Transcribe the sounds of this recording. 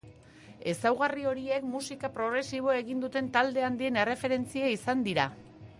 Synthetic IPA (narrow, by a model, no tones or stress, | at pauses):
e̞sawɣario̞ɾie̞kmusikapɾo̞ɣ̞ɾe̞siβ̞o̞e̞ɣind̪ut̪e̞nt̪ald̪e̞and̪ie̞ne̞re̞fe̞ɾe̞nt͡siaisand̪iɾa